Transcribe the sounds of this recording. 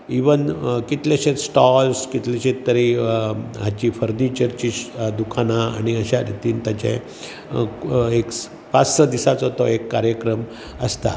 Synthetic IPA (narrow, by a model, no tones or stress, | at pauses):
iʋənkit̪lɛɕet̪sʈɔlskit̪leɕẽt̪ːəɾi | ɦat͡ɕiːfəɾnit͡ɕəɾt͡ɕiːɕd̪ukʰanaa̰ɽ̃iəɕaɾit̪iːnt̪jat͡ɕḛ̃ | eks | pat͡ssɔd̪isat͡sɦɔt̪ɔekːaɾjəkɾəm | əst̪a̰